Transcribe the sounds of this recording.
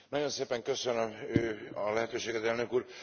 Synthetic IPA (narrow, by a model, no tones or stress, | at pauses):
nɒɟo̞nseːpɛŋkø̞sønømøːɒlɛɦɛt̪øːʃeːɡɛt̪ɛlnø̞kuːr